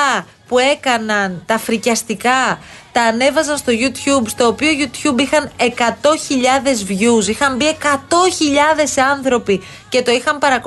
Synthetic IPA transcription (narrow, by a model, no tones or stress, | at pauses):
ɐ | pue̞kɐnɐnt̪ɐfɾicɐst̪ikɐt̪ɐːne̞vɐzɐnst̪o̞ʝut̪çubst̪o̞ːpioʝut̪çubixɐne̞kɐt̪o̞çiʎɐðe̞zvʝusixɐmbie̞kɐt̪o̞çiʎɐðe̞sɐnθɾo̞pi | ce̞t̪o̞ixɐmpɐɾɐk